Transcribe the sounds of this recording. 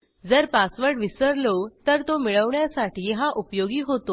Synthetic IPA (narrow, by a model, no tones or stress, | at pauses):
d͡zəɾpasʋəɾɖʋisəɾlot̪əɾt̪omiɭəʋɳjasaʈiːɦaʔupjoɡiːɦot̪o